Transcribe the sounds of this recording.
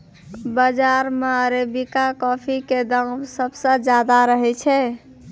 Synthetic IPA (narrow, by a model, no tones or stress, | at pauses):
bəd͡ʒaɾmeəɾebikakɔpʰiked̪əŋmsəbsə̃d͡ʒad̪aɾəɦɛt͡ʃʰɛ